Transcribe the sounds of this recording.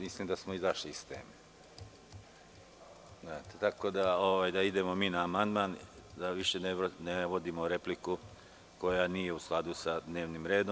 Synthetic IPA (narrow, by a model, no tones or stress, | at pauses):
mislimd̪asmoizaʃlist̪ḛːme | zat̪et̪ako̞d̪aoʋaːjd̪aid̪e̞mo̞miːnaːmand̪maːnd̪aʋiʃe̞neneʋo̞d̪imoɾe̞pliku | ko̞janije̞usklˠad̪usad̪ne̞ːʋnimɾe̞ːd̪o